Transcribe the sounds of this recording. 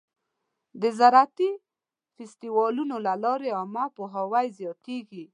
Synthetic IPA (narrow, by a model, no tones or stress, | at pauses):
d̪əzaɾat̪i | fɪst̪iwɑlunolalɑɾeamapoɦawajzjɑt̪eɡi